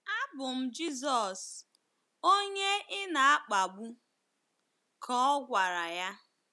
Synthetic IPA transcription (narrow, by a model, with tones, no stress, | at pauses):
a˦bʊ˨m̩˦d͡ʒi˦zɔ˨s | o˦ɲe˦ʔɪ˦na˨a˦k͡pa˨ɡ͡bu˦ | kʰɔ˦ɡʷa˨ɾa˨ja˦